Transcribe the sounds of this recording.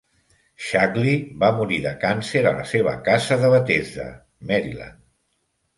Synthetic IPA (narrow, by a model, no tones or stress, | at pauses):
ʃaklibamuɾiðəkanseɾələ̰seβ̞ə̰kazəðəβət̪ezə̰ | mɛɾḭla̰n